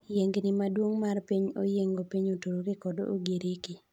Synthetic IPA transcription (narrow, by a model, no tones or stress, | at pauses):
jeŋɡnɪmadwoŋmarpiɲo̰jeŋɡopiɲotoɾoɡɪkɔdo̰ʔo̰ɡeɾeki